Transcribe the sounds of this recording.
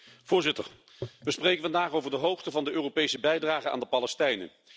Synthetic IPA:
v̥ʊːɹzɪtə̰ɹ | ʋəsprejkənvɑndaːχowvəɹdəɦowχtəvɑndəʔøːropejsəbɛjdraːχəa̰ːndəpɑlɛstɛjnə̰

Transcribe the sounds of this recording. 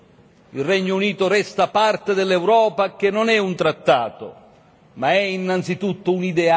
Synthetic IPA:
ilrɛɲːouniːt̪ʊɾɛst̪apart̪ed̪elːewɾɔːpak̟enːonɛunt̪ɾat̪ːaːt̪o̰ | maɛinːant̪sit̪ut̪ːʊunid̪ɛa

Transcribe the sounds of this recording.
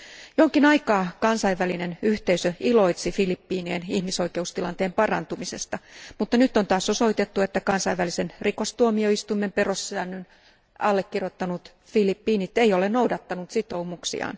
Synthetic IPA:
jooŋkinɑikɑːkɑnsɑiʋːælinenyht̪eisøilo̞it̪sifilipːiːnienihmiso̞ike̞ust̪ilɑnt̪eːmpɑrɑ̰nt̪umise̞̰st̪ɑmut̪ːɑnyt̪ːont̪ɑːso̞so̞it̪e̞t̪ːue̞t̪ːækɑnsɑiʋːælisenriko̞st̪uomio̞ist̪umːemperosːæːnːyn | ɑlːekːirjot̪ːɑnut̪ | filipːiːnit̪ːeijolennowdɑt̪ːɑnut̪sit̪o̞umuksḭɑ̰ːn

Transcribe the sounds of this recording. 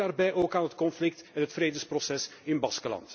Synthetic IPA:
aːrbɛjʔoːkaːnɦətkɔnflɪk̚tɛnɦətfreːdəsprɔsɛsɪnbɑskəlɑ̰nt

